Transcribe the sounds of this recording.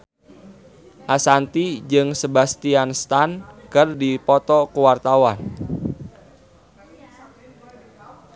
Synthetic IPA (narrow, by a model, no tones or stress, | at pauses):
ʔasant̪id͡ʒɨŋsəbast̪ianst̪ankərdipɔt̪ɔkuwart̪awan